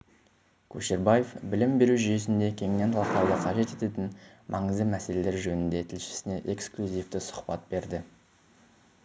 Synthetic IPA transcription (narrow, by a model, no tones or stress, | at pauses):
kʲʰuʃeɾbaje̞fbɪlɪmbe̞ɾuʒʏje̞sɪnd̪e̞kʲʰe̞ŋne̞nt̪ʰɑlˠɑqt̪ɑwd̪əqʰɑʒe̞t̪e̞t̪e̞t̪ɪnmʔɑɴəzd̪əmæse̞le̞le̞ɾʒɵnɪnd̪e̞t̪ʰɪlʃɪ̥sɪne̞ʔe̞ksklʲuzijft̪ɪsʊ̥χpɑt̪̚be̞ɾd̪ɪ